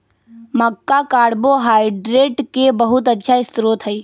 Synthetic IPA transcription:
məkːakaːɽboɦaːɪɖɾeːʈkebəɦʊt̪ətːʃʰaɪst̪ɾot̪ɦəi

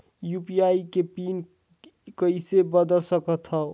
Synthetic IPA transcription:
jupijaikepiːn | kəisebəd̪əlsəkət̪ʰɦə

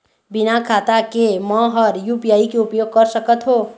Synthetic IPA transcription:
binakʰat̪akemʌɦʌɾjupijaikeupjoɡ̚kəɾsəkət̪ɦo

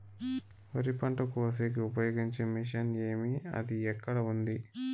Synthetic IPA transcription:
ʋɐɾipɐɳʈɐkuɐs̬eːk̬iupɐjoːɡiɲt͡ʃeːmiʃɐneːmiɐ̰d̪iɛkːɐɽɐund̪i

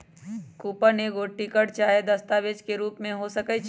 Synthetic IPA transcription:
kuːpəneɡoʈikəɽt͡ʃaːed̪ɐst̪aːʋed͡ʒkeɾuːpmẽɦosəkət͡ʃʰ

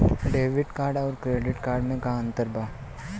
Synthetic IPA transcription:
ɖeːʋɪɖkaːɾɖɔːɾkɾeːɖɪʈkaːɾɖmẽkɐaə̃nt̪əɾbaː

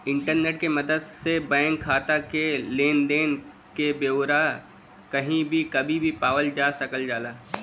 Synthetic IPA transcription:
ɪ̃ɳʈəɾneːʈkemɐd̪əd̪sebɛ̃ːŋkʰːaːt̪akeleːnd̪eːn | kebeːɾa | kɐɦĩbʱikɐbʱibʱipaːwəld͡ʒaːsɐkəld͡ʒaːlaː

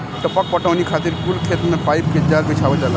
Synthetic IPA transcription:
ʈɔpak̚pɔʈawnikʰat̪iɾkulkʰet̪mepajp̚ked͡ʒaɾbit͡ʃʰabɔd͡ʒala

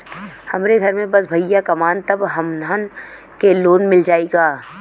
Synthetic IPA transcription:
hɐmɾeɡʱɐɾmẽbɐsbʱɐijakɐmaːnt̪ɐbɦɐmnaːn | keloːnmɪld͡ʒaːeɡaː

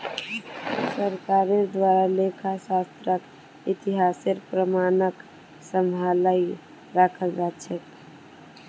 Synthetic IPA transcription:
səɾkaɾed̪waɾalekʰasast̪ɾək | it̪iɦaseɾpɾəmanək | səmbʱalai | ɾakʰəld͡ʒat͡ʃʰɛt̪

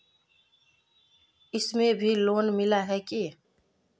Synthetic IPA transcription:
ɪsmẽbʱiloːnmɪlaɦɛki

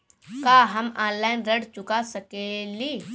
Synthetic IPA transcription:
kaːɦɐmãːnlaːɪnɾɐɽt͡ʃʊkasɐkeliː

